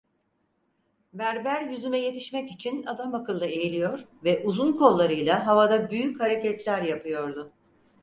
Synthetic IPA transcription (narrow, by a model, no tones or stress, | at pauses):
bæɾbæɾjyzymɛje̞t̪ʰiʃmɛcit͡ʃʰinad̪amakɯlˠːɯe̞jilʲijo̞ɾvɛʔuzunkʰo̞lˠːaɾɯjlˠaɦavad̪abyjychaɾecɛt̪lʲæɾjapʰɯjo̞ɾd̪ʊ